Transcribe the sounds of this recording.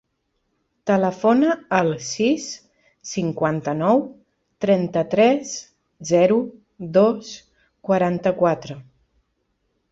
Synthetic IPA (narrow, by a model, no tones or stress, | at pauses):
t̪ələfonəːlˠsisː | iŋkwant̪ənɔw | t̪ɾɛnt̪ət̪ɾɛs | zɛɾu | ðos | kwaɾant̪əkwat̪ɾə